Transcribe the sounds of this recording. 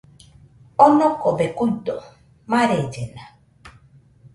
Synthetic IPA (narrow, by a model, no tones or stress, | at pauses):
onokobekujt̪o | maɾed͡ʒena